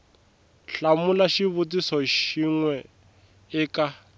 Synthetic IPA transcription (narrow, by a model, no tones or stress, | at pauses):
ɬamulaʃiβutisɔʃiŋwɛ | ɪka